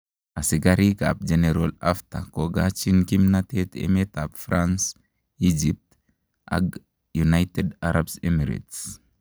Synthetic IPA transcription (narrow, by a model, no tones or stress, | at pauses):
asiɡaɾika̰p̚d͡ʒeneɾolaft̪a̰koɡat͡ʃinkimnat̪et̪ḛmet̪apfɾans | id͡ʒip̚t | ʔa̰ɡ | junajtedaɾabsemiɾḭt̪s